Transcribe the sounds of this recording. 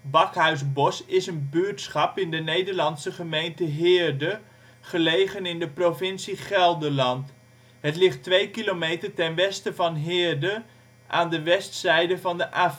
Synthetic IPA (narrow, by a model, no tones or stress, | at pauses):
bɑkɦœɥzbɔsɪsənbyːɹtsχɑpɪndənejdəɹlɑnsəχəmejntəɦɪːɹdə | χəlejχənɪndəprofɪnsiχɛlˠdəlɑnt | ɦətlɪχtʋejkilomejtəɹtɛnʋɛstəvɑnɦɪːɹdə | ʔaːndəʋɛstsɛjdəvɑndəʔaːf